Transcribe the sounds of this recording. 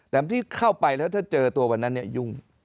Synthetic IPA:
t̪ɛː˨˩a˦t̪ʰiː˥˩kʰa˥˩wpa˧jlɛː˦˥wt̪ʰaː˥˩t͡ɕɤː˧t̪u˧ɐwa˧nːa˦˥nːi˥˩ɐju˥˩ŋ

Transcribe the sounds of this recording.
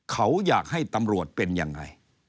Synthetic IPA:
kʰa˦˥wjaː˨˩k̚ɦa˥˩jt̪a˧mɾu˨˩ət̪̚pe˧nja̰˧ŋːa̰˧j

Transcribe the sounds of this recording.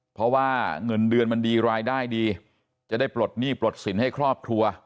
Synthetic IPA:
pʰɾɔ˦˥waː˥˩ŋɤ˧ndɯ˧ənma˧ndiː˧ɾaː˧jdaː˥˩jdiː˧ | t͡ɕa˨˩daː˥˩jpɾo˨˩t̪̚niː˥˩pɾo˨˩t̪̚si˩˦nha˥˩jkʰɾɔː˥˩p̚kʰɾu˧ɐ

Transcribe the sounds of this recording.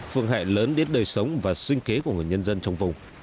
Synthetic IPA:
fɨ˧əŋɦa̰ː˧˨jləː˨˦nɗe˨˦nɗəː˨˩jsə˨˦wŋ͡mvaː˨˩sï˧ŋ̟ke˨˦ku˧˩əŋ˨˩əjɲə˧nzə˧nt͡ɕɔ˧wŋ͡mvʊ˨˩ŋ͡m

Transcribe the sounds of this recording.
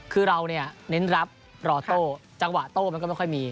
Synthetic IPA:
kʰɯː˧ɾa˧wni˥˩ɐne˦˥nɾa˦˥p̚ | ɾɔː˧˩t̪oː˥˩t͡ɕa˧ŋwa˨˩t̪oː˥˩ma˧nkɔː˥˩m˥˩jkʰɔ˥˩jmiː˧

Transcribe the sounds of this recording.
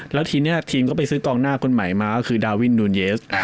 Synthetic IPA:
lɛː˦˥wt̪ʰiː˧mni˥˩ɐt̪ʰiː˧mkɔː˥˩p̬a˧jsɯː˦˥kɔː˧ŋnaː˥˩kʰo˧nma˩˦jmaː˧kɔ˥˩kʰɯː˧daː˧wi˦˥˩nduː˧njeː˦˥s

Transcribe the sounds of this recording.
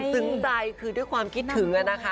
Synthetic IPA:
sɯ˩˦ŋt͡ɕa˧jkʰɯː˧du˥˩jkʰwaː˧mkʰi˦˥t̪̚ʰːɯ˩˦ŋʔa˧na˦˥kʰa˦˥˩

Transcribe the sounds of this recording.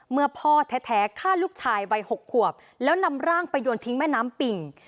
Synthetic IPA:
mɯ˧˩ɐpʰɔː˥˩t̪ʰɛː˦˥t̪ʰɛː˩˦kʰaː˥˩luː˥˩k̚t͡ɕʰaː˧jwa˧jho˨˩kʰːu˨˩əp̚ | lɛː˦˥wna˧mɾaː˥˩ŋpa˧jːoː˧nt̪ʰi˦˥ŋmɛː˥˩naː˦˥mpi˧ŋ

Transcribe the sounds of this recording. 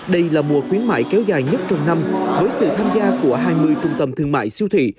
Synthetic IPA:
ɗə˧jlaː˨˩mu˨˩əxwi˨˦ənma̰ː˧˨jkɛ˨˦wzaː˨˩jɲə˦˥t̚t͡ɕɔ˧wŋ͡mna˧mvəː˨˦jsɨ̰˧˨t̪ʰaː˧mzaː˧ku˧˩əɦaː˧˩jmɨ˧əjt͡ɕʊ˧˩ŋ͡mt̪ə˨˩mt̪ʰɨ˧˩əŋma̰ː˧˨jsi˧əwt̪ʰwḭ˧˨

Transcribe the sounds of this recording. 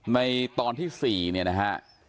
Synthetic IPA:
na˧jt̪ɔː˧nt̪ʰiː˥˩siː˨˩ni˥˩ɐna˦˥kʰa˦˥ʔ

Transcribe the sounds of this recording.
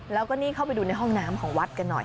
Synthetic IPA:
lɛː˦˥wkɔː˥˩niː˥˩kʰa˥˩wpjduː˧na˧jɦɔ˥˩ŋnaː˦˥mkʰɔː˩˦ŋwa˦˥t̪̚ka˧nːɔ̰˨˩j

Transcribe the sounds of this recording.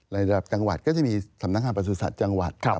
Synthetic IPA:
la˧ɾa˧da˨˩p̚t͡ɕa˧ŋwa̰˨˩t̪̚kɔː˥˩t͡ɕa˨˩miː˧sa˩˦na˦˥k̚ŋaː˧pɾa˧s̬u˨˩saː˨˩t̪̚t͡ɕa˧ŋwa̰˨˩t̪̚ʰ

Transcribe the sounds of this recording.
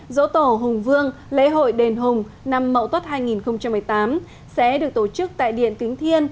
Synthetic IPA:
zo̰˧˥t̪o˧˩ɦʊ˨˩ŋ͡mvɨ˧əŋlḛ˧˥ɦo̰˧˨jɗe˨˩nɦʊ˨˩ŋ͡m | na˧mːə̰˧˨t̪wə˦˥t̚haː˧jŋi˨˩nxə˧wŋ͡mt͡ɕa˧mːɨ˨˩əjt̪aː˨˦m | sɛ̰˧˥ɗɨ˨˩ək̚t̪o˧˩t͡ɕɨ˦˥k̚t̪a̰ː˧˨jɗḭ˧˨ənt̪ï˨˦ŋ̟t̪ʰi˧ən

